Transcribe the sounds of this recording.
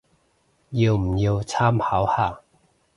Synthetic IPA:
jo˨˩wm̩˨˩jo˧wt͡sʰa˥mha˨˧˦wha˨˩

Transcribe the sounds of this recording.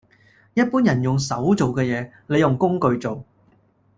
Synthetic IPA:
jɐ˥t̚puː˥njɐ˨˩njʊ˨ŋsɐ˨˥wt͡so˨wkɛː˧jɛː˨˧ | le˨˧jʊ˨ŋkʊ˥ŋkɵ˧ɥt͡so˨w

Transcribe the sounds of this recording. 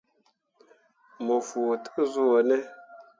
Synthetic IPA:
mo˨fu˨tɨ̥˦zu˦o˨nɛ˦

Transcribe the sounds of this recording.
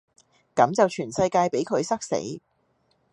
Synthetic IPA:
kɐ˨˥mt͡sɐ˨wt͡ʃʰyː˨˩nsɐ˧jkaː˧jpe˨˥jkʰɵ˨˧ɥsɐ˥k̚sḛ˨˥j

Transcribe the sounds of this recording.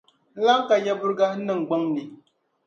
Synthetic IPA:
la˦ŋ˦ka˨ja˦bʊ˦ɾɡa˦nɨ˦ŋ˨ɡ͡ba˦ŋni˨

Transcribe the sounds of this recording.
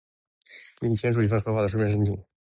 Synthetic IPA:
ni˧˩˨jɛ˥nʂ̬u˧˩i˧˩fə˧nxɤ˧˥xwa˥˩d̪ə˩ʂu˥mjɛ˥˩ʂə˥nt̪ʰi˨˩˦

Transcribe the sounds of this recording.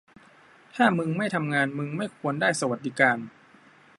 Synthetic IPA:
t̪ʰaː˥˩mɯ˧ŋma˥˩jt̪ʰa˧mŋaː˧nmɯ˧ŋma˥˩jkʰu˧əndaː˥˩jsa˧wa˨˩t̪̚diː˦˧˩kaː˧n

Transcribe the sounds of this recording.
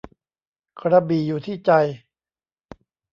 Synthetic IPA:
kʰɾa˧biː˨˩juː˨˩t̪ʰiː˥˩t͡ɕa˧j

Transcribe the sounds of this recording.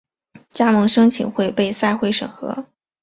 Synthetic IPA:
t͡ɕja˥mɤ˧˥ŋʂɤ˥ŋt͡ɕʰḭ˨˩nxwe˥˧ɪpe˥˧ɪsa˥˧ɪxwe˥ɪʂɤ̰˨˩ŋxɤ̰˧˥

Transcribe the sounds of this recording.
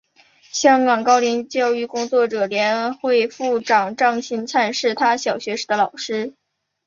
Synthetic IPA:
ɕjɑ˥ŋkɑ˨˩ŋkɑ˥ʊli˧˥nt͡ɕjɑ˥˧ʊy˥˩kʊ˥ŋt͡swɔ˥˩ʈ͡ʂɤ˨˩ljɛ˧˥nxwe˥˧ɪfu˥˩ʈ͡ʂɑ˨˩ŋʈ͡ʂɑ˥˩ŋɕi˧˥nt͡sʰa˥˧nʂɻ̩˥˩t̪ʰa˥ɕjɑ˨˩ʊɕɥɛ˧˥ʂɻ̩˧˩d̪ə˦lɑ˨˩ʊʂɻ̩˥

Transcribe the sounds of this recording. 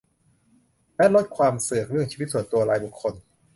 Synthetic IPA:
lɛ˦˥lo˦˥t̪̚kʰwaː˧msɯ˨˩ək̚ɾɯ˥˩əŋt͡ɕʰiː˧˦t̪su˨˩˦t̪u˧ɐɾaː˧jbu˨˩kʰːo˧n

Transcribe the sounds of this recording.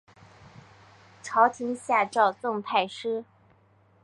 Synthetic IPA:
ʈ͡ʂʰɑ˧˥ʊt̪ʰi˧˥ŋɕja˥˧ʈ͡ʂɑ˥˧ʊt͡sɤ˥˧ŋp̪ʰa˥˩ɪʂɻ̩˥

